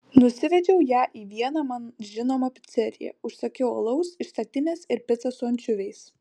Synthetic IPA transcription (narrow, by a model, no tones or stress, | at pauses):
nʊsʲɪʋʲɛd͡ʒʲɛʊjæːʔiːʋʲiɛnɐmɐnʒʲɪnoːmɐpʲɪ̥t̪sʲɛɾʲɪ̰jɛ̰ʊʃsɐkʲɛʊo̰lˠɐʊsɪʃst̪ɐt̪ʲɪnʲeːsɪɾpʲɪt̪sɐsʊɐnʲt͡ʃʲʊʋʲɛɪs